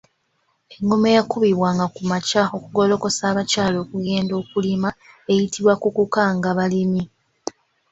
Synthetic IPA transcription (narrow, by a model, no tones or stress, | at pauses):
e̞ŋɡomejakuβiβwaŋɡakumacao̞kuɡo̞lo̞ko̞saːβacaːlo̞ːkuɡe̞ːndo̞ːkulima | e̞jitʰiβwakukukaŋɡaβalimi